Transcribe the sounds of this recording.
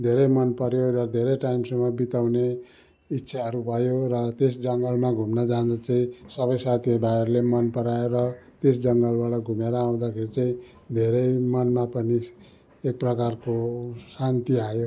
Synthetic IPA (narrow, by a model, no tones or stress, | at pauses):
d̪ʱeɾʌjmʌnpʌɾjoɾʌd̪ʱeɾʌjʈaimsʌmʌbit̪awne | it̪ːʃʰaʌɾubʱʌjorʌt̪es̬d͡zʌŋɡʌlmaɡʱumnʌd͡zand̪at͡saĩsʌbʌjsat̪ʰijʌbaerlemʌnpʌɾajeɾʌt̪es̬d͡zʌŋɡʌlbaɽʌɡʱumeɾʌaw̃d̪akʰeɾit͡saĩ | d̪ʱeɾʌjmʌnmapʌni | ek̚prʌkarkosant̪iajo